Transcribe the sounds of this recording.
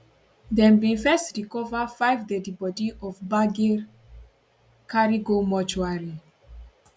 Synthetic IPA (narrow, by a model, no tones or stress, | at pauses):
dɛ̃mbĩfɛstɹikɔvəfajvdɛdibɔdiʔɔfbaɡiɹ | kʰaɹiɡomɔt͡ʃuaɹi